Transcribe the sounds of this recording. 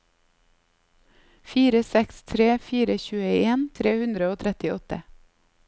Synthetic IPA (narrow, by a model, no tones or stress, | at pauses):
fiːɾəsɛkst̪ʰɾeːfiːɾəçʉːəeːnt̪ʰɾeːhʉnd̪ɾəoːt̪ʰɾɛt̪ɪɔt̪ə